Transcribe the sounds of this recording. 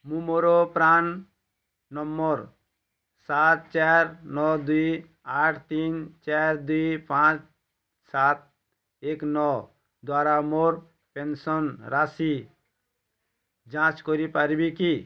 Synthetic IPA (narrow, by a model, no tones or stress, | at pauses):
mũmoɾopɾanː | ɔmːɔɾ | sat̪̚t͡ʃaɾnɔd̪uj | aʈʰt̪int͡ʃaɾd̪uipãt͡ʃ | sat̪̚ | eknɔ | d̪waɾamoɾ | pensɔnɾasi | d͡ʒãt͡ʃkɔɾipaɾbiki